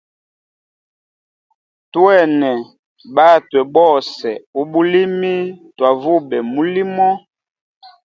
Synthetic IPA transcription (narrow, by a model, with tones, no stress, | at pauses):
twɛ˦˨nɛ˨ | ba˦twɛ˨bɔ˦˨sɛ˨u˦ɓu˦li˦mi˦twa˨vu˦bɛ˨mu˨li˦mɔ˦